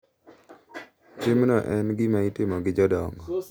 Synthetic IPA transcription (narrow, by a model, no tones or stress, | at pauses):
t͡ʃɪmnɔʔɛnɡɪmaitɪmɔɡɪd͡ʒɔdɔŋɡɔ